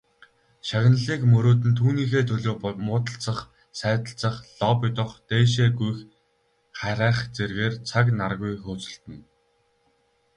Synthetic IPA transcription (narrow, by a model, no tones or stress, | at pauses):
ʃaɣ̆ʲnə̆ɮiːkmɵɾoːt̪̬ɘ̆nt̪ʰuːniːxeːt̪ʰɵɮoːmʊːt̪ə̆ɬt͡sə̆χ | sæːt̪ə̆ɬt͡sə̆χɮɔpɪt̪ə̆χt̪eːʃ̬eːɡujx | χæɾæːχt͡serɣeːrt͡sʰaknarɣujxɵːt͡sɵ̆ɬt̪ɘ̆n